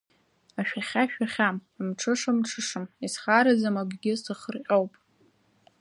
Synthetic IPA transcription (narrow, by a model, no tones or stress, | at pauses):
aʃᶣaχʲaʃᶣaχʲammʈ͡ʂʰɨʂɨmʈ͡ʂʰɨʂɨmisχaɾad͡zamaɡɡʲɪsɨχərqʲʼowpʼ